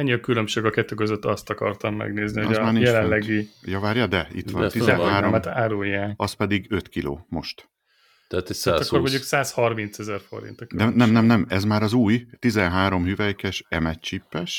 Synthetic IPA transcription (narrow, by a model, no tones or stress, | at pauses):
ɛɲːiɒkylømʃeːɡɒkɛt̪ːøːkøzøt̪ːɒst̪ɒkɒ̰rt̪ɒmːɛ̰ɡneːznihozmaːrnijɛlɛnlɛɡijɒvaːɾjɒd̪ɛḭt̪ʋʋɒ̰nt̪izɛnɦaːɾomt̪aːɾujːaːkɒspɛd̪iɡøt̪kilo̰ːmo̞ʃt̪ | t̪ɛat̪ɛakormoɲɟuksaːshɒrmint̪sɛzɛrfo̰ɾḭnt̪ɔkd̪ɛnɛmnɛmnɛmɛzmaːɾɒzuːjt̪izɛnɦaːɾo̞mhyvɛjkɛʃɛmɛtt͡ʃipːɛʃ